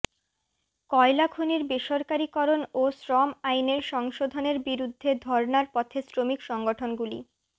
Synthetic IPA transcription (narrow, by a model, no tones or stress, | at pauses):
kɔelakʰuniɾbeʃoɾkaɾikɔɾonosɾɔmajneɾʃɔŋʃod̪ʱoneɾbiɾud̪ʱːed̪ʱɔɾnaɾpɔt̪ʰesɾomikʃɔŋɡoʈʰonɡulḭ